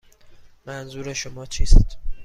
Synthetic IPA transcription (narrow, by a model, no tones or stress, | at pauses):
mænzuːɾeʃomɒːt͡ʃʰiːst̪